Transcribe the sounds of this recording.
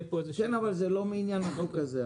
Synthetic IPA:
pozikɛnavalzɛlomiːnjanatukaze

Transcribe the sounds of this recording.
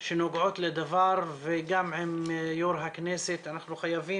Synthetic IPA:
ʃenoɡʕot̪led̪avaɾveɡamʕemjoɾɦakneset̪anaχnuxajavi

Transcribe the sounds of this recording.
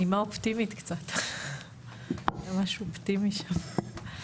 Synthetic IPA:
imaopt̪imit̪kt͡sat̪ | jamaʃopt̪imiʃam

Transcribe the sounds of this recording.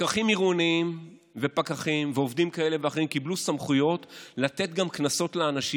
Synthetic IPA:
kaχimiʁuniim | ve̞pakaχimveovdimkae̞le̞veaχimkiblusamχujo̞tlat̪e̞t̪̚ɡamknaso̞tleanaʃi

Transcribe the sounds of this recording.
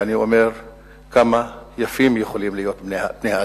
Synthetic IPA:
aniomeʁ | kamajafimjeχolimlijo̞t̪bnbnea

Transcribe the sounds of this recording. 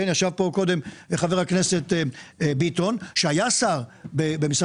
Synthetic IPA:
enjaʃavpo̞ko̞d̪e̞mχaveʁhaknese̞t̪bit̪onʃeajasaʁbebemis

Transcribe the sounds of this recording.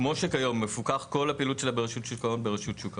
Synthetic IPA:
mo̞ʃekajo̞mːefukaχko̞lhapiːlutʃelabeʁeʃutʃukao̞nbe̞ʁeʃutʃuka

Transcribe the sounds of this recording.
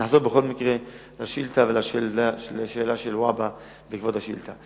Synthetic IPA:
naħzo̞beχo̞lmikʁe | laʃilt̪avelaʃelalʃeːlaʃelwaba | veikvod̪haʃḭlt̪a

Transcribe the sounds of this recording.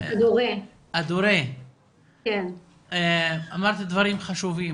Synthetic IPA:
ad̪uʁe | ad̪uɾe | ken | eamaʁt̪id̪vaʁimχaʃuvi

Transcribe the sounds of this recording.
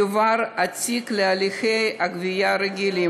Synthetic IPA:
vaɾat͡siklealixejakvijaɾeɡʲili

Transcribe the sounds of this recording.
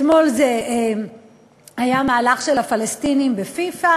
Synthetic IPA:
mo̞lzee | ajamaːlaχʃelafalestinimbefifa

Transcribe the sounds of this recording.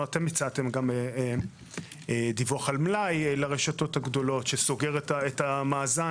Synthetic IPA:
ate̞mit͡sat̪e̞mɡame | d̪ivoχalmlajelaʁeʃato̞thaɡdo̞lo̞tʃeso̞ɡe̞ʁetaetamaːza

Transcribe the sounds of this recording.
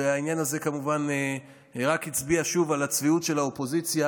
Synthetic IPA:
eainjanaze̞kamuvane | ʁakhit͡sbiaʃuvalat͡sviutʃe̞laopo̞zit͡sja

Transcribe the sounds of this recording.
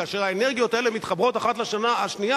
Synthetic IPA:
aːʃeʁaene̞ʁɡijo̞t̪ae̞lemit̪χabʁo̞t̪aχat̪laʃanaaʃnija

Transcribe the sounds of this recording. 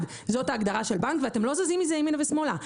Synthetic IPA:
d | zo̞taːɡdaʁaʃe̞lbankveate̞mlo̞zazimizeeminavesmola

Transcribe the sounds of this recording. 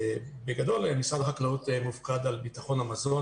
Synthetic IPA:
beɡado̞lemisadχaklautemuvkadalbitaχo̞namazo̞n

